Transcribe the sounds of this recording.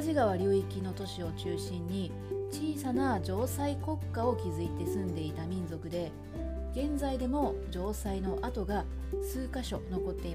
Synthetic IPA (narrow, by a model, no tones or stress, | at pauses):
ʑiɡaβ̞aɾʲoːikʲino̞t̪o̞ɕio̞t͡ɕɨːɕĩɲ̟ːi | t͡ɕiːsanad͡ʑo̞ːsaiko̞kːao̞kʲizɨit̪e̞sɨ̃nd̪e̞it̪amʲĩnzo̞kɯ̟d̪e̞ | ɡ̥ẽ̞nd͡zaid̪e̞mo̞d͡ʑo̞ːsaino̞ʔat̪o̞ɡa | sɨːkaɕo̞̰no̞ko̞t̪ːe̞i